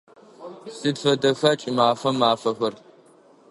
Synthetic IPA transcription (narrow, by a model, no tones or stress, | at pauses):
sɨdfɐdɐxɐt͡ʃʼɪmaːfɐmaːfɐxɐr